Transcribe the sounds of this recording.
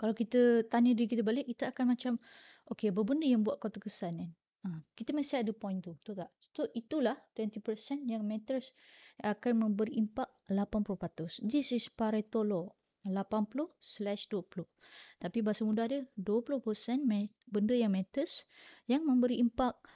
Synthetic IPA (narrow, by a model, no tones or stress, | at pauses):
kalawkit̪ət̪aɲədikit̪əbalɪk̚ːit̪əakanmat͡ʃam | ʔokebəbəndəjaŋbuaʔ̪̚kot̪akəsanɛn | əkit̪əmasiadəpɔjnt̪ut̪ukaʔ | t̪oʔit̪ulaht̪wɛnt̪ipərsɛnjaŋmɛ̃t̪əs | akanmə̃mbəɾiʔimpak̚lapanpulʊhpat̪ʊsd̪isispaɾet̪olɔ | lapanpulʊhslɛʃduəpulʊht̪apibaɦasəmudahdəduəpulʊhpəsɛnmɛ | bəndəjaŋmɛ̃t̪əsjaŋmə̃mbəɾiːmpak̚